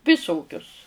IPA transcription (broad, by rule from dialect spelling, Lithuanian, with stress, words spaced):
ʋʲɪˈsoːkʲʊs